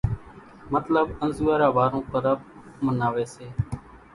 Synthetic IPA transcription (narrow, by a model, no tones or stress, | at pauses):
mət̪ləbənzuːaːɾaːbaːɾõːkəɾəb̚ | mənaːʋeːseː